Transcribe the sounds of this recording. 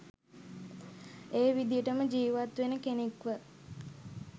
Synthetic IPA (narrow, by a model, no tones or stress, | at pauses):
eːʋid̪ijəʈəməd͡ʒiːʋat̪ʋenəkenekʋə